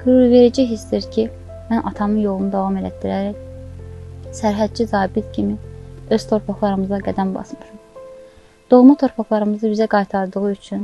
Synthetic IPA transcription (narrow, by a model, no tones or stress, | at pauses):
ɡyɾuɾve̞ɾid͡ʒiɦisd̪iɾcʰi | mænʔɑt̪ʰɑmɯnjo̞lˠunud̪ɑvɑmelæ̰d̪iɾæɾæj | sæɾɦæd̪̚d͡ʒizɑːbit̪cʰimiø̞z̥t̪ʰo̞ɾpʰɑχlˠɑɾɯmɯzɑɡæd̪ænbɑ̰smɯʃum | d̪̥o̞ɣmut̪ʰo̞ɾpʰɑχlˠɑɾɯmɯzɯbizæɡɑjt̪ʰɑɾd̪ɯɣɯyt͡ʃʰyn